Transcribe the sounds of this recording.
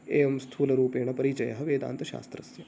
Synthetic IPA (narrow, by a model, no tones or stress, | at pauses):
eːʋɐmst̪ʰuːlɐɾuːpeːɳɐpɐɾit͡ʃɐjɐɦɐʋeːd̪a̰ːnt̪ɐʃa̰ːst̪ɾɐsjɐ